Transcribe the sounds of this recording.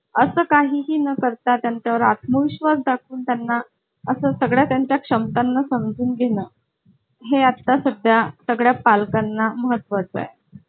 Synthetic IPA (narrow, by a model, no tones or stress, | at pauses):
əsəːkaɦiːɦiːnəkəɾt̪at̪jaɲt͡ɕaʋəɾat̪̚məʋiɕʋəsd̪akʰuːnt̪janːa | əsəːsəɡɭjat̪jaɲt͡ɕjakʂəmt̪anːasəmd͡zuːnɡʱeɽəː | ɦeat̪ːasəɡɭjasəɡɭjapalkanːaməɦət̪ːʋat͡sa̰e